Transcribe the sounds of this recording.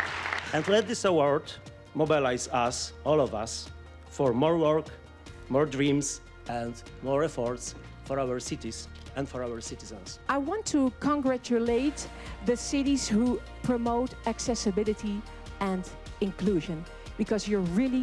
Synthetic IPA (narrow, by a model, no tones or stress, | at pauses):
ɛ̃ndlɛt̪̚ðɪsawɔɹd | mɔbilajzasɔlɔvas | fɔɹmɔɹwɔɹk | mɔɹdɹĩms | ɛ̃nd | mɔɹɛfɔɹts | fɔɹawəɹsɪtiz | ɛ̃nfɔɹawəɹsɪtɪzə̃nsʔaɪwɑ̃ntʰukʰə̃ŋɡɹæt͡ʃuleɪt̪ | ðɨsɪɾiz̥hu | pʰɹ̥ɔmoʊtæksɛsɨbɪlˠɨti | ɛ̃nd | ɪ̃nkluʒə̃n | bɨkʌzjə˞ɹɪlˠi